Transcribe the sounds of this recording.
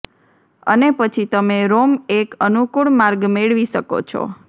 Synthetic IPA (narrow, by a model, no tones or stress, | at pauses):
ə̰nepət͡ʃʰit̪əmeɾomekənukuɭmaɾɡmeɭʋiʃəko̰t͡ʃʰo̰